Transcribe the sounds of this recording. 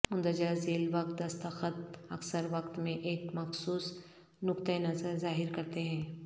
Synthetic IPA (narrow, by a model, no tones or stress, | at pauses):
ʊ̃nd̪əd͡ʒaːzeːlʋɐk̚t̪̚d̪ɐst̪əxət̪̚ɐksəɾʋɐkt̪mẽʔeːkmɐxsuːs | nʊkt̪əjnɐzəɾzaːɦɪɾkɐɾt̪eɦɛ̃ː